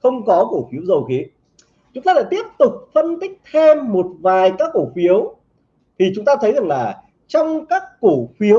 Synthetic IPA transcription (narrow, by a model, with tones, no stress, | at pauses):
xə˧wŋ͡mkɔ˨˦ko˧˩fi˨˦əwzə˨˩wxi˨˦ | t͡ɕʊ˨˦ŋ͡mt̪aː˧la̰˧˥jt̪i˦˥əp̚t̪ʊ˨˩k͡p̚fə˧nt̪k̚t̪ʰe˧mːo˨˩t̚vaː˨˩jkaː˦˥kːo˧˩fi˨˦əw | t̪ʰi˨˩t͡ɕʊ˨˦ŋ͡mt̪aː˧t̪ʰə˨˦jza˨˩ŋlaː˨˩ | t͡ɕɔ˧wŋ͡mkaː˦˥kːo˧˩fi˨˦əw